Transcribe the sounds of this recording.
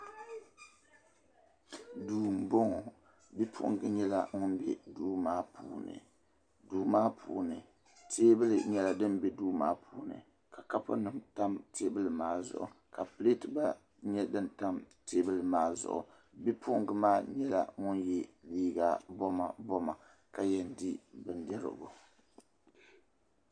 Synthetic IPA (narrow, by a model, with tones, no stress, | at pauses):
duː˨m̩˨bo˦ŋɔ˨ | bi˦pʰʊ̰˦ŋɡɨ˦ɲɛ˦la̰˦˨ŋʊ˦nbɛ̰˦duː˦maː˦pʰuː˨˦nɨ̰˨ | duː˨˦maː˦pʰṵː˨nɨ˨ | tʰeː˦bɨ˦lɨ˨ɲɛ˦la˨dɨ˦nbɛ˦duː˦ma̰ː˦pʰuː˦nɨ̰˨ | ka˨ka˦pʊ̰˦nɨ˨˦mta˦mtʰeː˦bɨ˦lɨ˨maː˦zʊ̰˨ʔʊ̰˨ | ka˨pɨ˦le˦tɨ˨ba˦ | ɲɛ˦dɨ˦nta˦mteː˦bɨ˦lɨ˨maː˦zʊ̰˨ʔʊ̰˨ | bi˦pʰʊ˦ŋɡɨ˨maː˦ɲɛ˦la̰˦˨ŋʊ˦njɛ˦liː˦ɡa˦˨bɔ˦ma̰˨bɔ˦ma˨ | ka˨jɛ˨n˦di˦bɨ˨ndɛ˦ɾɨ̰˨bʊ̰˨